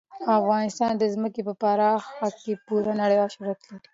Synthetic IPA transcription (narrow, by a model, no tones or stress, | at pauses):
afɣɑnɪst̪ɑnd̪əzməkepəpɑɾɑxakepuɾanaɽəjɑʃaɾat̪laɾi̥